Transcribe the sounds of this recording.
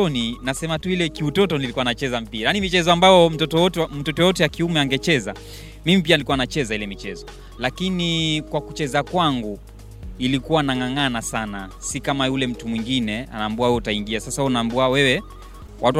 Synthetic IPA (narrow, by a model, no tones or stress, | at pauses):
ɔninasɛmatuilɛkiutɔtɔnilikuanat͡ʃɛzam̩piɾajanimit͡ʃɛzɔambajɔm̩tɔtɔtm̩tɔtɔjɔtɛakiumɛaŋɡɛt͡ʃɛza̰ | mimip̬ianilikuanat͡ʃɛzailɛmit͡ʃɛzɔ | lakinikwaku̥t͡ʃɛzakwaŋɡu | ilikuwanaŋaŋanasana̰sikamajulɛm̩tumwiŋɡinɛa̰naːmbuawɛɛutaiŋɡiasasahunaːmbuawɛwɛ | watu